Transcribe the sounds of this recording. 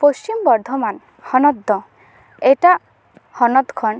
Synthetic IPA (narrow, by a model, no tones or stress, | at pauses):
post͡ʃimbɔɾd̪ʱɔman | hɔnɔd̪ːɔ | eʈa | hɔnɔd̪kʰɔɳ